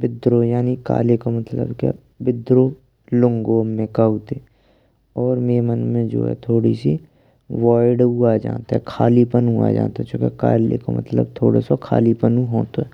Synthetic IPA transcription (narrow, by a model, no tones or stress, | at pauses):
bɪd̪ɾojaːnika̰ːlekomət̪lə̰bka̰ | bɪd̪ɾo | lʊ̃ŋɡomẽkaut̪e | ɔːɾmeːmənmẽd͡ʒo̰ːɦɛ̰t̪ʰoːɽḭsi | ʋaːɪɖɦuad͡ʒã̰ːt̪aɦɛkʰaːlipənua̰d͡ʒã̰ːnt̪aɛt͡ʃõːkeka̰ːleko̰mə̰t̪lə̰bt̪ʰo̰ːɽo̰sokʰa̰ːlipənũɦoːt̪oɛː